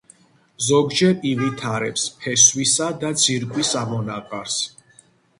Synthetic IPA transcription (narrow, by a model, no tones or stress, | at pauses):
zɔɡd͡ʒɛɾivit̪ʰaɾɛpspʰɛswisad̪at̪sʰiɾkʼwisamɔnaqʼaɾs